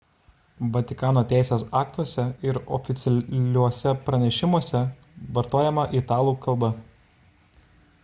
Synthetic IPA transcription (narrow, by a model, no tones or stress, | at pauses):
ʋɐt̪ʲɪkɑːnoːt̪ʲæˑɪsʲeːsɑːkt̪uɔsʲɛɪɾɔ̰fʲɪt̪sʲɛlʲuɔsʲɛpɾɐnʲɛʃʲɪmuɔsʲɛ | ʋɐɾt̪oːjɛmɐʔiːt̪ɑːlˠuːkɐlˠbɐ